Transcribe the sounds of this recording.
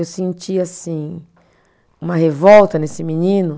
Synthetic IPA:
ewsẽnt͡ʃiasĩ | ũmɐhevɔwt̪ɐnesɪminĩnʊ

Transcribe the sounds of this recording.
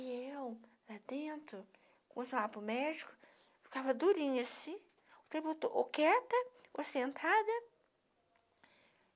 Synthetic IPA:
iewlad̪ẽnt̪ɾʊ | kõt̪apʊmɛd͡ʒikʊ̥ | fi̥kavɐd̪uɾĩɲɐsĩ | ʊt̪ɾibut̪ʊʔokɛt̪ɐosẽnt̪ʰad̪ɐ

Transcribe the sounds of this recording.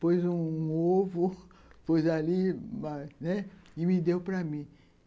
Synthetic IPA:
pojzũovʊ | pojzalimanɛɪmid̪ewpɾɐmĩ

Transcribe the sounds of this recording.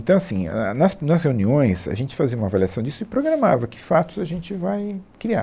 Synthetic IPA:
ẽt̪ɐ̃w̃asĩnɐsnɐsheuniõj̃sa̰ʒẽnt͡ʃɪ̥faziɐũmɐavaliasɐ̃w̃d͡ʒisʊɪpɾoɡɾamavɐkɪ̥fat̪ʊzaʒẽnt͡ʃɪvajkɾia̰

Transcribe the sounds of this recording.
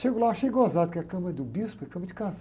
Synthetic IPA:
ʃeɡʊlawaʃejɡozad̪ʊkʲɛɐkɐ̃mɐd̪ʊbispɛɐkɐ̃mɐd͡ʒɪkɐ̃s

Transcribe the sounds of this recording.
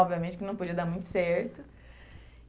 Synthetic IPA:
ɔbviɐmẽt͡ʃɪkɪnɐ̃w̃pod͡ʒiɐd̪aɾmũj̃t̪ʊ̥sɛɾt̪ʊ

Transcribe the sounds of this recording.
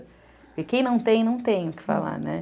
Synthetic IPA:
kɪkẽj̃nɐ̃w̃t̪ẽj̃nɐ̃w̃t̪ẽj̃ʊkɪ̥fa̰la̰ɾnɛ

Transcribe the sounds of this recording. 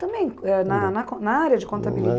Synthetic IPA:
t̪ɐ̃mbẽj̃ɛnanakonaaɾeɐd͡ʒikõnt̪abili

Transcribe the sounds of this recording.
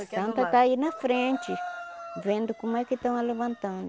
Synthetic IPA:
ɐ̃nt̪ɐt̪ainɐfɾẽnt͡ʃɪvẽnd̪ʊkõmʊɛkɪt̪ɐ̃w̃ɐlevɐ̃nt̪ɐ̃nd̪ʊ

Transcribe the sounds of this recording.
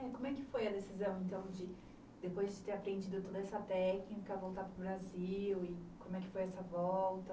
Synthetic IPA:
ɛkõmʊɛkɪfojɐd̪esizɐ̃w̃ẽnt̪ɐ̃w̃d͡ʒɪ | d̪epojzd͡ʒɪt̪eɾapɾẽnd͡ʒid̪ʊt̪od̪ɐɛsɐt̪ɛknikɐvowt̪apɾʊbɾaziwɪkõmʊɛkɪ̥fojɛsɐvɔwt̪ɐ

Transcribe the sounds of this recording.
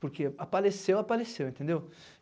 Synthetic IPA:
poɾkeapalesewapalesewẽt̪ẽnd̪ew

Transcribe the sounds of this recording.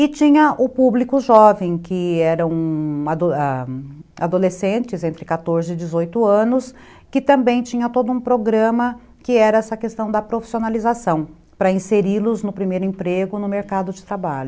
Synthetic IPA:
ɪt͡ʃĩɲɐʔʊpublikʊʒɔvẽj̃kɪɛɾɐ̃w̃ad̪oa | ad̪olesẽt͡ʃɪzẽnt̪ɾɪkat̪oɾzɪɪd͡ʒɪzojt̪ʊɐ̃nʊs | kɪt̪ɐ̃mbẽj̃t͡ʃĩɲɐt̪od̪ʊũpɾoɡɾɐ̃mɐ | kɪɛɾɐɛsɐkest̪ɐ̃w̃d̪ɐpɾofi̥sionalizasɐ̃w̃ | pɾɐĩseɾilʊznʊpɾimejɾʊẽmpɾeɡʊnʊmeɾkad̪ʊd͡ʒɪt̪ɾabaʎʊ

